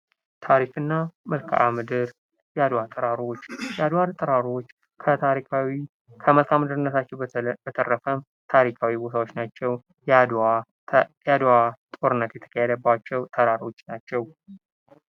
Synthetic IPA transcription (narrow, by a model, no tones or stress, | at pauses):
t̪ʰaɾikɨnːamɨlkʰa̰ʔamɨd̪ɨɾ | jad̪wat̪ʼɨɾaɾo̞t͡ʃːjɛad̪waɾt̪ʼɨɾaɾo̞t͡ʃː | kʰət̪ʰaɾikʰawi | kʰəməlt̪ʰamɨd̪ɨɾɨnːət̪ʰat͡ʃːɛbət̪ʰərːəfəm | t̪ʰaɾikʰawibo̞t̪ʰawo̞t͡ʃːnat͡ʃːɛw | ad̪wat̪ʼo̞ɾɨnːət̪jɛt̪ʰə̥kʰəhɛd̪əbat͡ʃːɛwt̪ʰəɾaɾo̞t͡ʃːnat͡ʃːɛw